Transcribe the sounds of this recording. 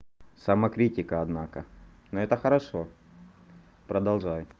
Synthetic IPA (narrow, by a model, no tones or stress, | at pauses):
sɐmɐkɾʲitʲɪkəɐd̪nakə̰ | noɛt̪əxɐɾɐʂo | pɾɐd̪ɐlˠʐajʊ